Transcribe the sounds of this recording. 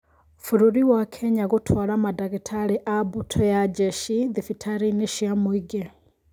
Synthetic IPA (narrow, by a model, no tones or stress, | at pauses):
fuɾuɾiwakʰeɲaɣutʰwalamadaɣitʰaɺiʔabutʰɔjad͡ʒeʃiðifitʰaɾiniʃiamwiɡe